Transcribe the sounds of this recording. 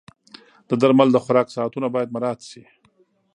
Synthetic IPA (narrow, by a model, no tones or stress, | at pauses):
d̪̥əd̪aɾmald̪əxʊɾɑksɑːt̪unabɑjad̪maɾɑt̪ʃi